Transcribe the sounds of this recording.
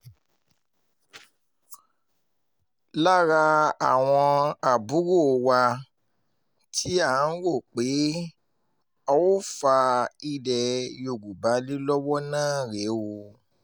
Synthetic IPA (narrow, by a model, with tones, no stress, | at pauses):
la˦ɾa˧a˨w̃ɔ̃˧a˨bu˨˦wo˦˨˧wa˧ | tʰi˦a˦˨˦n̩˦ɾo˦˨k͡pe˨˦ | ɔ˧wo˦fa˧i˧dɛ˨jo˨ɡu˨ba˨˦li˦lɔ˦wɔ˦nãː˦˨ɾe˨˦wo˧